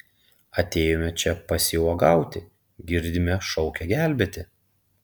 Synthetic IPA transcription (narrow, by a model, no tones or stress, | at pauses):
ɐt̪ʲeːjomʲɛt͡ʃʲɛpɐsʲɪuɔɡɑˑʊt̪ʲɪ | ɡʲɪɾʲd̪ʲɪmʲɛʃɔʊkʲɛɡʲæˑlʲbʲeːt̪ʲɪ